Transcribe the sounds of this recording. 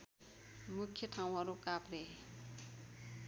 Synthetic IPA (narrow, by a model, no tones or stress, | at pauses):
mukʰːjʌʈʰaw̃ɦʌɾukapre